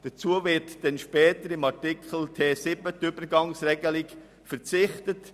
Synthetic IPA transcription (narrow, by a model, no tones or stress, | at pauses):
d̥ət͡suəvɪɾtd̥ɛnʃpɛːtəɾɪmɑʁtɪkχl̩tʰeːsɪbətʏbəɾɡɑŋsɾɛɡəlɪk | fəɾt͡sɪχtət